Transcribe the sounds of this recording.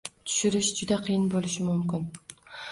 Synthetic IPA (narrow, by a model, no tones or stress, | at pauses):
t̪ʰʊ̥ʃyɾɪʃd͡ʒʊd̪aqʰɨjɪnbolˠɪʃɪmʊmkʲɪn